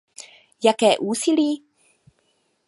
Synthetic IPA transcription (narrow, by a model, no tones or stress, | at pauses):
jakɛːʔuːsiliː